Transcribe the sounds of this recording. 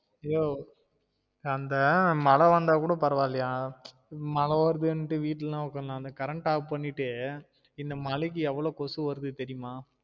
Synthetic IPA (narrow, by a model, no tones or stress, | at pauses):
joː | ɐnd̪ɐmɐlɐʋɐnd̪aːkuːɽɐpɐɾɐʋaːlɪjaː | mɐlɐʋɐɾɯðɯnːʈːɯʋiːʈːllãːɔkːɐlãːɐnd̪ɐkɐɾɐɳʈaːʋɯpɐɳːɪʈːɯ | ɪnd̪ɐmɐɭɪk̬ːɯɛʋːɐɭoːkɔsɯʋɐɾɯðɯt̪ɛɾɪjɯmaː